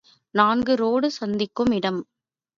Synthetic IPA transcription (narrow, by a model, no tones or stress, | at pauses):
naːŋɡɯɾoːɽɯsɐnd̪ɪkːɯmɪɽɐm